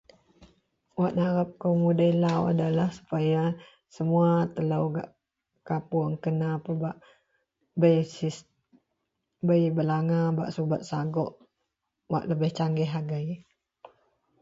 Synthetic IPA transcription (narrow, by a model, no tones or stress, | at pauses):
waʔnaɾap̚kəwmudəilawa̰dalahsu̥paja | səmuat̪ələwɡa̰ʔ | kapuaŋkənapəbaʔ | bəjsi | bəjbəlaŋabaʔsubat̪̚saɡɔʔ | wa̰ʔləbɪht͡ʃaŋɡɛɦaɡaj